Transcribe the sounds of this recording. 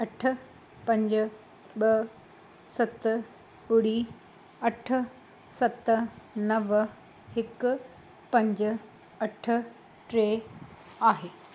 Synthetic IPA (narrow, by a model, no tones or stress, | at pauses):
ɐʈʰə̆ | pɐ̃ɲd͡ʑʊ | ɓɐ | sɐt̪ | ɓʊɽiː | ɐʈʰʊ̆ | sɐt̪nɐʋ | hɪkʊ | pɐ̃ɲd͡ʑʊ̆ | ɐʈʰʊ̆ | ʈɾeː | aːɦeː